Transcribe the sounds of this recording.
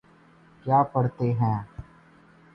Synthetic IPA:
kjaːpəɽt̪eɦɛ̃ː

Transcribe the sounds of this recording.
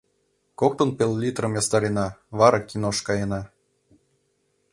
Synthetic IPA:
kok̚t̪onpʲelʲˠlʲit̪rɤ̆mjɑst̪ɑɾʲenɑβɑɾɑkʲinoʃkɑjenɑ

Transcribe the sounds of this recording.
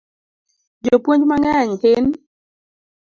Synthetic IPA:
d͡ʒopwoɲd͡ʒmaŋaɲkɪn

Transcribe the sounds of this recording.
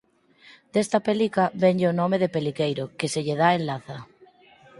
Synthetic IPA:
d̪̥est̪ɐpelikabeɲʎeonɔmeðepelikejɾokeseʎeðaenlaθɐ

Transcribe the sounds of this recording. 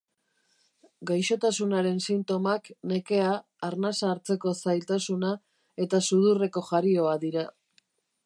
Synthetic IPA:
ɡajʃo̞t̪asunaɾe̞nsint̪o̞makne̞ke̞aː | ɾnasaːɾt͡se̞ko̞sajlt̪asuna | e̞t̪asuðure̞ko̞ʝaɾio̞aðiɾa

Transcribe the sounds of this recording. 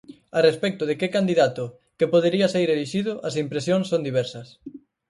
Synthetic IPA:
arespɛk̚t̪ʊðɪkekand̪iðat̪ʊ | kepoð̞eɾiɐsejɾeliʃiðʊʔɐsimpɾesjoŋsõnd̪iβɛɾsɐs

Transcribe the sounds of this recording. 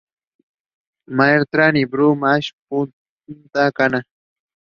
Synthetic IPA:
majeɾt̪ɾanibɾumaʃpʊ | nt̪akana

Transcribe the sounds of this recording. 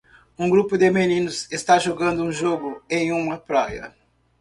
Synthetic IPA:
ũɡɾupʊd̪ɪmenĩnʊzest̪aʒoɡɐ̃nd̪ʊũʒoɡʊẽj̃ũmɐpɾajɐ̰

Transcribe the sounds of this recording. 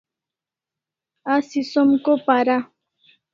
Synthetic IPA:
asisɔmkopaɾa

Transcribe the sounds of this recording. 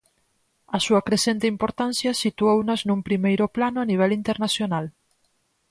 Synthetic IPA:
ɐsuɐkɾesent̪eimpoɾt̪ansjasit̪uownaznũmpɾimejɾoplanoaniβ̞ɛlint̪eɾnasjonal

